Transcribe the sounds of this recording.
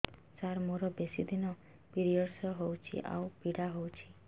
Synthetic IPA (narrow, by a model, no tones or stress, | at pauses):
saɾmoɾɔbesid̪inɔ | piɾiɔɾsɔɦowt͡ʃʰḭʔa̰wpiɽaɦowt͡ʃʰi̥